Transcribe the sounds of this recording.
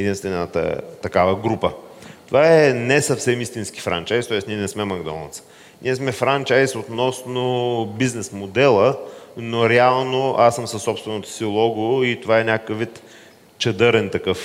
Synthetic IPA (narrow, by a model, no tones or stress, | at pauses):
ɛd̪inst̪vɛnət̪ə̰t̪ɐkavəɡɾupət̪ovaɛnɛsɐfsɛmist̪inski̥fɾa̰nt͡ʃajst̪ɔɛsniɛnɛsmɛmɐɡd̪ɔ̰nɐ̰t̪sə̥ | nʔiɛsmɛfɾant͡ʃajsot̪nɔsnobiznɛsmod̪ɛlˠənoɾɛalˠnoasːəmsəsːɔpst̪vɛnot̪o̥silˠɔɡoit̪ovaɛnʲakəkəvːit̪ | t͡ʃɐd̪ɤɾɛnt̪ɐkɤf